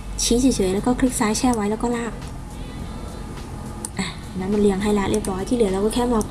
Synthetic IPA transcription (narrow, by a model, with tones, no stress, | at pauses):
t͡ɕʰiː˦˥s̬i˨˦sʰɤː˨˦jlɛː˦˥wkɔː˥˩kʰɾi˦˥k̚saː˨˦˥jt͡ɕʰɛː˥˩wa˦˥jlɛː˧˦˥wkɔː˥˩laː˧˥˩k̚ | ʔaː˨˩˨naː˦˥ma˧nlɯ˧˩əŋhɦa˥˩jlaː˦˥ʔi˥˩əp̚ɾɔː˦˥jt̪ʰiː˥˩lɯ˩˦ɾa˧wkɔː˥˩kʰɛː˥˩aː˧˩